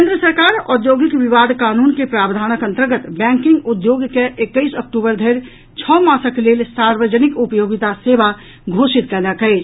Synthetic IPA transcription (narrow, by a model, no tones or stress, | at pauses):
kẽnd̪ɾəsəɾkaːɾɔd̪joːɡɪkʋɪʋaːd̪ʱkaːnuːnkepɾaːbd̪ʱaːnəkə̃nt̪əɾɡət̪bɛ̃ːŋkɪ̃ŋɡʊd̪joːɡkeʔekːəɪsək̚ʈuːbəɾd̪ʱeːɾ | t͡ʃʰɔːmaːsəkleːlsaːɾʋəd͡ʒənɪkʊpjoːɡɪt̪aseːʋa | ɡʱoːʃɪt̪̚kəlakəe